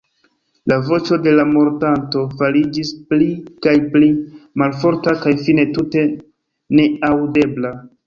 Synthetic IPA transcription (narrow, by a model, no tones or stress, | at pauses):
lavo̞t͡ʃo̞de̞lamo̞ɾtanto̞falid͡ʒisplikajplimalfo̞ɾtakajfine̞tute̞ | ne̞awde̞bla